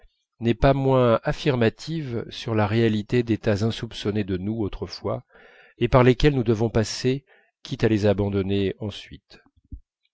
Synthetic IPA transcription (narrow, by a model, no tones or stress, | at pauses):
nɛpamwɛ̃afiʁmat̪ʰivsyʁlaʁealit̪ed̪et̪azɛ̃supsɔned̪ənuot̪χəfwa | epaʁlekʲɛlnud̪əvɔ̃pase | kʲit̪alezabɑ̃d̪ɔneɑ̃sɥit̪